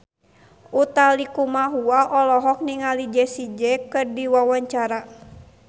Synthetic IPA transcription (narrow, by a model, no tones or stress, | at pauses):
ʔut̪alikumaɦuaʔɔlɔɦɔk̚niŋalid͡ʒɛsid͡ʒɛkɨrdiwawaɲt͡ʃaɾa